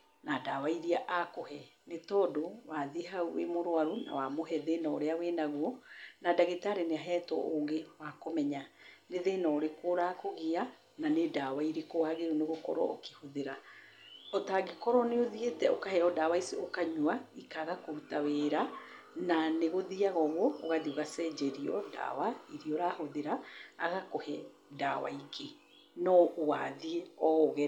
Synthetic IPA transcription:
nadaːwaiɾiaʔakohɛnetɔːdowaðeɦauwḛmoɾwaɾona̰wamoɦɛðenɔːɾeawɛnaɣwɔnadaɣetaɾeneaɦɛːtɔ̰ʔoŋɡewakomɛɲaneðenɔɾekoɾakoɣea | nanedawaiɾekowaɣeɾoneɣokɔ̰ɾɔ̰o̰kehoðeɾa | ɔtaɡekɔɾɔneoðietɛokahɛɔdawaisiokaɲuaikaɣakoɾutawɛɾa | naneɣoðiaɣɔɣɔ̰ːɣaðioɣasɛːd͡ʒɛɾiɔ̰da̰waiɾioɾahoðeɾaːɣakɔhɛ | dawa̰iɡe | nɔowa̰ðieɔoɣɛ

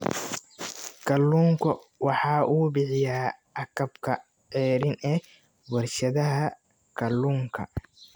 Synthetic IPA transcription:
kʰɐlːuːŋkʰɔ | wɑħɑːʔuːbɪħɪjaːɐkɐbkʰɐ | ʕɛːɾɪnɛ | bʊrʃɐðɐɦɐ | kʰɐlːuːŋkʰɐ̰

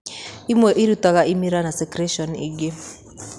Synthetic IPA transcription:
imwɛʔiɾutaɣaʔimiɾanasɛkɾɛʃɔniɡe

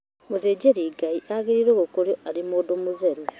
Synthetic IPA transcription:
mozeːɟeɾiɡaiʔaɣiɾiɾoɣokoɾjoʔaɾimoːdomuzeɾe

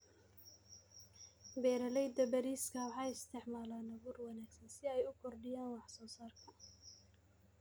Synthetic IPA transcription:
bɛːɾɐlɛjd̪ɐbɐɾiːskʰɐwɑħɑːjɪst̪ʰɪʕmaːlaːnɐɣuːrwɑnaːɡsɐnsɪɛjʊkʰɔrɖɪjaːnwɑħsɔːsaːrkʰɐ

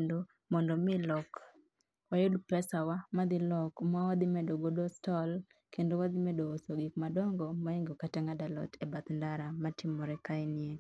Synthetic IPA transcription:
endo | mɔndɔmɪlɔk | ajodpɛsawamad̪ɪlɔkmawad̪ɪmɛdoɡodɔstɔl | kendowad̪ɪmɛdoːsoɡikmadɔŋɡɔmaɛŋɡɔkatɛŋadalɔ̰tʰɛbat̪ndaɾamatɪmːɔɾɛkaɪnɪe

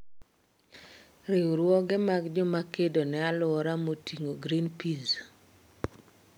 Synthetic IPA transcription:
ɾɪwuɾwɔɡɛmaɡd͡ʒɔmakedonɛalʊɾamotiŋoɡɾinpiz

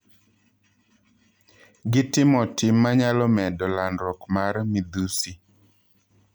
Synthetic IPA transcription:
ɡɪtɪmɔtɪmːaɲalɔmɛdɔlanɾɔkmaɾmid̪usi

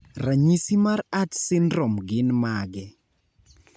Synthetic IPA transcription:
raɲisimaratsɪnɾɔmɡɪnmaɡɛ

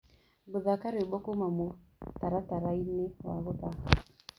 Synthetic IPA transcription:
bʊzakaɾeɓɔkomamutaɾataɾainewa̰ɣʊtaa

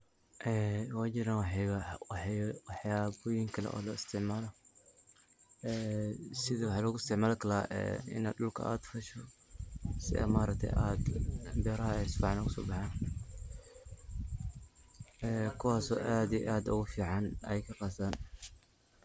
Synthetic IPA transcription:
ʔɛːwaːt͡ʃɪɾanwɑħwɑħwɑħjaːbɔjɪŋkʰɐlɛ̰ʔɔ̰ːlɔɪst̪ʰɪʕmaːlɔ | ɛːsɪðɐwɑħɑːlɔɣʊɪst̪ɪʕmaːlkʰɐlaʔɛ̰ːɪ̰na̰ːd̪dʊlkʰɐ̰ʔa̰ːd̪fɐʃɔ | sɪ̰ɛ̰maːɾɐk̚t̪ʰɛ̰jʔad̪bɛːɾɐhɐɛsbɑʕɑnlɔɣʊsɔ̰ːbɑħaːn | ʔɛːkʰʊwaːsɔ̰ːʔaːd̪iʔaːd̪ʊɣʊfiːʕɑnɛjkʰɐqɑːsaːn

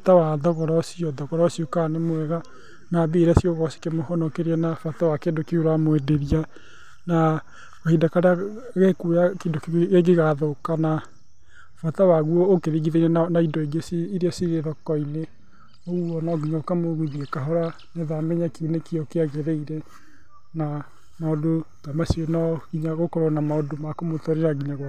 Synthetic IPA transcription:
fatawaðɔɣɔɾɔsiɔðɔɣɔɾɔsiokanemoɛɣa | nabeːɾɛsjɔɣɔsi̥kemohɔnɔkeɾeɛnafatawakendokeoɾamoedeɾia | na | ohidakaɾea | ɣekujakedokeɡeɣaðokana | fatawaɣuɔokeðiɣiðeiɾɛnaidɔeɡeseːɾeasiɾeðɔkɔine | ɔuɔnɔɡiɲaokamoɣiðiekaɦɔɾa | nɛðamɛɲakeunekiɔkeaɣeðeiɾɛ | na | naodotamasienɔɣiɲaɣokɔɾɔnamaodomakomotɔɾeɾaɡiɲaɣwa

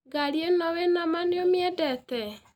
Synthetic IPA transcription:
ɡaɾjenɔwɛnamaneomjɛdɛtɛ

